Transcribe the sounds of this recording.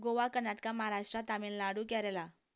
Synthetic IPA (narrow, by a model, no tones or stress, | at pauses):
ɡoʋakəɾnaʈkamaɦaɾaʂʈɾat̪amiːnlaɽuːkɛɾɛla